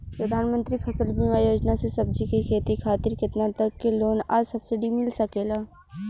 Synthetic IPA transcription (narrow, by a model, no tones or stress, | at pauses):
pɾɐd̪ʱaːnmə̃nt̪ɾipʰɐsəlbʱimaːjoːd͡ʒnasesɐb̚d͡ʒikikʰeːt̪ikʰaːt̪ɪɾkɪt̪nat̪ɐkːeloːnaːsɐbsɪɖimɪlsɐkeːlaː